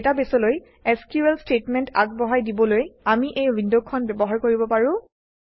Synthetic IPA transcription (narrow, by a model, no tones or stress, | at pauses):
tabesɔloj | eskjuɛlstetmɛnta̰ɡ̚bɔɦajdibɔlojamiʔejɹindokʰːɔnbɛbɔɦaɹkoɹibɔpaɹʊ̃